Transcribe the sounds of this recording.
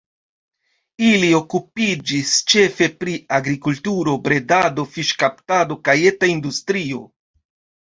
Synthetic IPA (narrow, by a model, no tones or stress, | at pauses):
ilio̞kupid͡ʒist͡ʃe̞fe̞pɾiaɡɾikultuɾo̞bɾe̞dado̞fiʃkaptado̞kaje̞taindustɾio̞̰